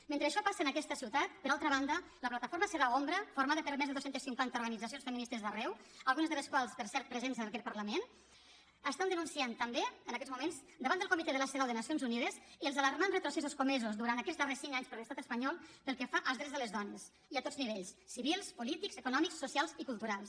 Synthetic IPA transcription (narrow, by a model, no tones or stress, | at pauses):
ment̪ɾəːʃɔpasənəkɛst̪əsiwt̪at̪pəɾalˠt̪ɾəβand̪ə | ləplat̪əfoɾməsəɾaombɾəfuɾmaðəpəɾmɛzðəðosent̪əsiŋkwant̪əuɾɣənid͡zəsijonsfəminist̪əzðərɛwəlˠɣunəzðələskwalˠspəɾsɛɾt̪̚pɾəzenzəkɛt̪̚pəɾləmen | əst̪and̪ənunsiant̪əmbeənəkɛzmumenz | d̪əβand̪əlˠkumit̪ɛðələseðawðənasionzuniðəziəlzaləɾmanrət̪ɾusɛs̬uskumɛzuzd̪uɾant̪əkɛzðaɾðəsiŋkaɲspəɾləst̪at̪əspɐɲɔlˠpəlˠkefaʔəlˠzɾɛzðələzðɔnəs | iət̪o̥zniβeʎssiβilˠspulit̪ikzəkunɔmiksːusialˠzikulˠt̪uɾalˠs